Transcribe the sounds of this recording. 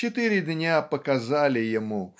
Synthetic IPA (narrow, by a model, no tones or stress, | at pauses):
ɛt̪ɨɾʲɪd̪ʲnʲapɐkazalʲɪjɐmu